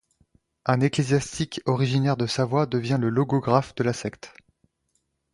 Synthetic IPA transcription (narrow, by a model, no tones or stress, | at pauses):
ɛ̃neklezjast̪ikɔʁiʒinɛʁd̪əsavwad̪əvjɛ̃ləlɔɡɔɡʁafd̪əlasɛkt̪